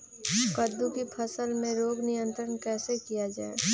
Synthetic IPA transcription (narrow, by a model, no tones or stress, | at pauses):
kəd̪ːũkipʰɐsəlmẽɾoːɡnɪjə̃nt̪ɾənkɛːsekijad͡ʒaːḛ